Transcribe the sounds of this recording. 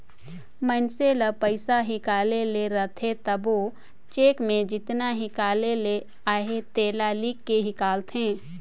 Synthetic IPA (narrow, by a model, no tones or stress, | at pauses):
mənseləpəɪsaɦɪkaːleleɾət̪ʰet̪əbo | t͡ʃeːkmẽd͡ʒɪt̪naɦɪkaːlele | aːɦet̪eːlalikːeɦɪkaːlt̪ɦẽː